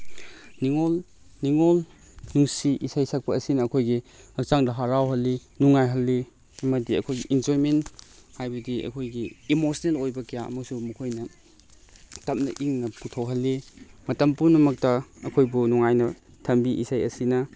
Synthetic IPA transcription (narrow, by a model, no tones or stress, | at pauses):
niŋol | niŋol | nuŋsiʔisajsak̚pɐɐsinɐːkʰojɡihɐk̚t͡ʃaŋdɐɦaɾawɦɐlːinuŋajɦɐlːi | mɐdiɐ̰kʰojɡiʔind͡ʒojmenthajbɐdiʔɐ̰kʰojɡiːmosnelojbɐkijaʔɐ̰mɐsumukʰojnɐ | tɐp̚nɐ̰ʔiŋnɐputʰawɦɐlːimɐtɐmpunɐmɐk̚tɐɐkʰojbunuŋajnɐ | tʰɐmbiʔisajɐ̰sinɐ